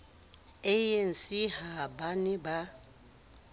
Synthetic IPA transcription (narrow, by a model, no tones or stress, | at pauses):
een̩sihabanɪba